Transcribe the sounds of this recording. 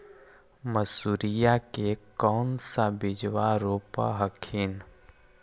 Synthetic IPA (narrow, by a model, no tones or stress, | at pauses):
məsuːɾijakekɔːnsabɪd͡ʒwaɾoːpa̰ɦəkʰiːn